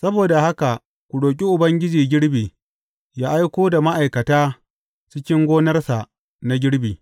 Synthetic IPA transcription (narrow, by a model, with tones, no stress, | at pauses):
sɐ˦boː˨da˨ha˦ka˨ | kʷʊ˨ɽoː˨k̬ʲʼi˦ʔʊ˨bɐ˦ŋɡʲɪ˦d͡ʒiː˨ɡʲɪ˦ɽbiː˨ | jaː˦ʔa˦jkʷoː˦da˨ma˦ʔa˨jkɐ˨taː˦ | t͡ʃɪ˦kʲɪ˦ŋɡʷoː˦nɐ˦rsa˨ | na˨˦ɡʲɪ˦ɽbiː˨